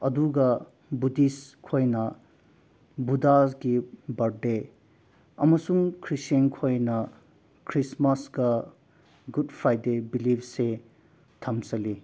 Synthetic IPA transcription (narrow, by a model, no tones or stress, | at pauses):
ɐduɡɐ | budiskʰojnɐ | budaɡibɐɾɖe | ɐ̰mɐsuŋkʰɾisenkʰojnɐ | kʰɾismɐsɡɐ | ɡudpʰɾajdebilipʰse | tʰɐmsɐli